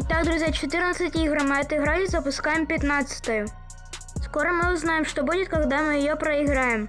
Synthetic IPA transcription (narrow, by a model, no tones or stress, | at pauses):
t̪ːɑkd̪ɾʊzʲjat͡ʃɔt̪ɪrnɐsʲɐtʲiɦɾmɪɐt̪ɪɦɾɑlʲizɐpʊskɑjempʲjɐt̪nɑt͡sʲɐ̥t̪ɔjʊ | skɔɾɔmɪʊznɑjemʃt̪ɔbudʲɪt̪ʲkɐɣd̪ɛmɪjɔjɔpɾɐiɦɾɑjem